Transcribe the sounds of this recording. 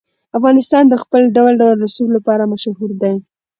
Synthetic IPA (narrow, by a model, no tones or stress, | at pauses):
afɣɑnɪst̪ɑnd̪əxpəlɖawalɖawəlnʊsulːapɑɾamaʃhuɾd̪aj